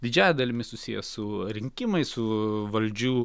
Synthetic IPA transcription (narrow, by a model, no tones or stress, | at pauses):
d̪ʲɪd͡ʒʲæːjɛd̪ɐlʲɪmʲɪsʊsʲiːjɛ̰sʊɾʲɪŋʲkʲɪmɐɪsʊʋɐlʲd͡ʒʲuː